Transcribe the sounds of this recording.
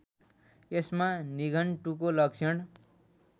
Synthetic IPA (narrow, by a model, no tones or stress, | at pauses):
esmaniɡʌnʈukolʌksʰʌɽ̃